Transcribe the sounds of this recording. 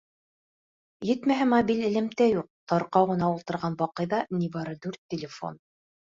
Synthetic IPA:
jɘ̆t̪mæɦæmɐbʲilɘ̆lɘ̆mt̪æjuq̚t̪ɑɾqɑwʁɤ̆nɑulˠt̪ɤ̆ɾʁɑnbɑqɤ̆jðɑniβɑɾɤd̪ʉɾt̪ʲːɪlʲɪfo̞̰n

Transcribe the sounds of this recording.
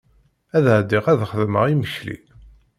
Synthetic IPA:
æðʕd̪iʁæðχəðmə̰ʁiməçlḭ

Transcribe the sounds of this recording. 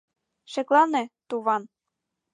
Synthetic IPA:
ʃɘ̆klɑnĕt̪uβɑn

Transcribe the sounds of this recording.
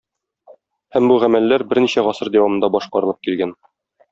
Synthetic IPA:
hæmbuʁæmælːæɾbɘɾniɕæʁɒsɤɾd̪æwɑmɤ̆nd̪ɑbɒʃqɑɾɤ̆lˠɤp̚kilɡæn

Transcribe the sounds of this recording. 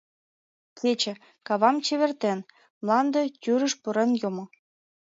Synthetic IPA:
kʰet͡ɕĕ | kɑβɑmt͡ɕeβʲert̪en | mlˠɑnd̪ɤ̆t̪ʲyɾə̆ʃpuɾenjumŏ

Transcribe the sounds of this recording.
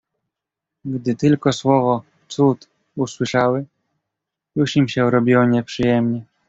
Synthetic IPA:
ɡd̪ɘt̪ɘlkɔswɔvɔ | t̪sut̪ | uswɘʂawɘ | juʂimɕɛuɾɔbʲiwɔɲɛpʂɘjɛmɲɛ

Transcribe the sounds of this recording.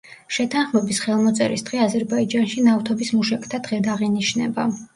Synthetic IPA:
ʃɛt̪ʰanχmɛbisχɛlˠmɔt̪sʼɛ̰ɾisd̪̥ʁɛazɛɾbaid͡ʒanʃinaft̪ʰɔbismuʃɛkʰʼt̪ʰad̪̥ʁɛd̪aʁiniʃnɛ̰ba

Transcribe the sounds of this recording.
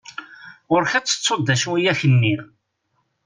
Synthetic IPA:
ʊɾçat͡sːə̥t͡sːod̪æʃwijæçənːi

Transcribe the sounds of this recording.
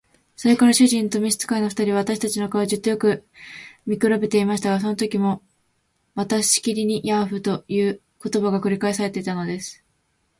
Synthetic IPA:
so̞ɾe̞kaɾaɕɨʑĩnt̪o̞mʲiɕi̥t͡sɨ̥kaino̞ɸɯ̥t̪aɾʲiβaβat̪aɕi̥t̪at͡ɕinokaoʑɨt̪ːo̞jokɯ̟ | mʲikɯ̟ɾabe̞t̪e̞imaɕi̥t̪aɡas̬o̞no̞t̪o̞kʲimo̞ | mat̪aɕɕi̥kʲiɾʲiɲ̟ijaɸɯ̟t̪o̞jɯ̟ː | ko̞t̪o̞baɡakɯ̟ɾʲikaesaɾe̞t̪e̞it̪ano̞d̪e̞sɨ̥

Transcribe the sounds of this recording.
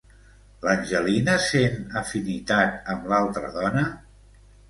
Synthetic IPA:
lənʲʒəlinəsenəfinit̪at̪əmlalˠt̪ɾə̰ðɔnə

